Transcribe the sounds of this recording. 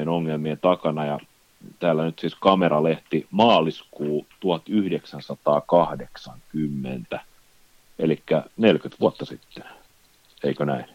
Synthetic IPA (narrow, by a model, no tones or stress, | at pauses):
enoŋːelmient̪ɑkɑnɑjɑ | t̪æːlːænyt̪siːskɑmerɑleht̪imɑːliskuːt̪uɑt̪yhdeksænsɑt̪ɑːkɑhdeksɑŋkymːḛnt̪æ | elikːænelkyt̪ʋuot̪ːɑsit̪ːe̥n | eikønæin